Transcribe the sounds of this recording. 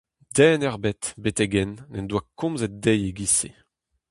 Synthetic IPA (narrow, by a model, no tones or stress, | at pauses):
d̪ɛːnɛʁbɛt̪bet̪ɛɡɛnːɛnd̪wakɔ̃mzɛt̚d̪ɛjeɡisḛ